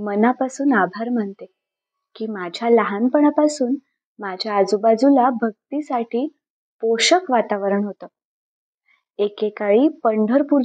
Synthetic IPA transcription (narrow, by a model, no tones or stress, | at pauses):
mənapasuːnabʱaɾm̤əɳt̪e | kiːmad͡ʑʱjaləɦanpəɳapasuːn | mad͡ʑʱjaːd͡zubad͡zulabʱəɡ̚t̪isaʈʰiː | poɕəkʋat̪aʋəɾəɳɦot̪əː | ekekaɭiːpəɳɖʱəɾpuɾ